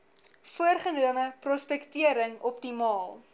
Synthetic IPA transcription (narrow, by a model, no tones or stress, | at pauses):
fuərχənuəməprɔspɛktiəɾəŋɔpdimɑːlˠ